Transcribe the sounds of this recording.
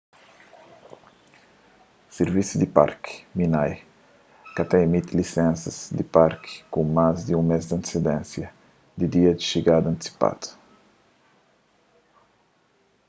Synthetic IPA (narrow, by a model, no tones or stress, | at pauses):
seɾvisud̪ipa̰ɾkminaj | kat̪ɛemit̪ilisɛ̃nsɐz̥d̪ipaɾki̥kumazd̪iũŋmezd̪ɐ̃nt̪i̥sid̪ɛ̃nsjɐ | d̪id̪iɐd̪iʃiɡad̪ɐ̃nt̪isi̥pa̰t̪u̥